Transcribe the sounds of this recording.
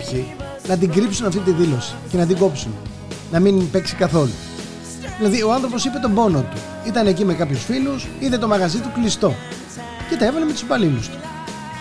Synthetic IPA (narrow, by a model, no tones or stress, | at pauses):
si | nɐt̪̬iɡɾipsunɐft̪it̪̬iðilo̞si̥ce̞nɐt̪̬iɡo̞psun | nɐminpe̞ksikɐθo̞lṵ | ðilɐðio̞ɐnθɾopo̞sipe̞t̪o̞mbo̞no̞t̪u | it̪ɐne̞cimekɐpçusfilusiðet̪omɐɣɐzit̪uklist̪o̞ | ce̞t̪ɐe̞vɐleme̞t̪uspbɐlilust̪u̥